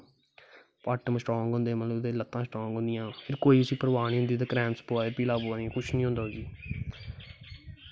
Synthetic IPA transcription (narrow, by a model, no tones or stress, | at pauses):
pəʈəmsʈɔːŋɡɦõːnd̪eːmət̪ləd̪eːlət̪ːãːsʈɔːŋɡɦõnd̪ɪjãːpʰɪɾkoːiːʊsĩːpəɾʋaːɳ̃iːɦʊnd̪iːt̪̬ãːkɾɛːmspːaːd̪eːpiːlaːboːd̪iãːkʊt͡ʃʰnĩːɦõnd̪aːɦoːɡiː